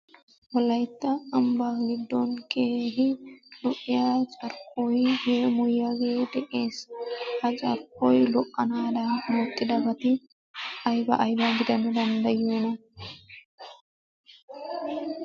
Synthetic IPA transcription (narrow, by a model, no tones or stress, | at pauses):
wɔlːɐjt̪ːɐːmbaːɡɪd̪ːonkʰeːɦɪlɔʔɪjaːt͡ʃʼɐɾkʼːoːjjeːmʊjːaɡeːd̪ɛʔeːshɐt͡ʃʼɐ̰ɾkʼojlɔkʼːɐnaːd̪ɐnːoːt̪ʼːɪd̪ɐbɐt̪ɪ | ɐjbɐ̰ʔɐjbɐɡɪd̪ɐnɐd̪ɐnd̪ɐjoːnɐ